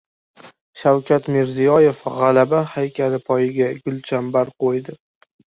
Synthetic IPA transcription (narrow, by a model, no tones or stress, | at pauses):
ʃawkʲat̪mɪɾzijɒje̞fʁalabahajkʲʰalɪpʰɒjɪɡʲaɡʲʊlt͡ʃʰambaɾqojd̪ɪ